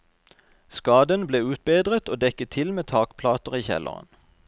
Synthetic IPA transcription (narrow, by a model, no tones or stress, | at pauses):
skɑːd̪ənbleːʉːt̪̚beːd̪ʁət̪oːd̪ɛkət̪ʰɪlmeːt̪ʰɑːkpʰlɑːt̪əʁiːçɛ̰lʔə̰ʁə̰n